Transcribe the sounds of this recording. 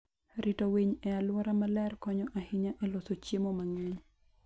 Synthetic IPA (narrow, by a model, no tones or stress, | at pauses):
ɾitoweɲɛalwɔɾamalɛrkɔɲɔʔahiɲaʔɛlɔsot͡ʃemɔmaŋɛɲ